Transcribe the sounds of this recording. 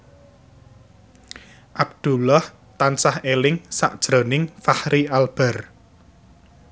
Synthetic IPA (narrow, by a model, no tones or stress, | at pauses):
ʔab̚d̪̥ṳlah | t̪ansahelɪŋsa̰ʔd̥ʒ̥ɾonɪŋfahɾialb̥ɛ̤r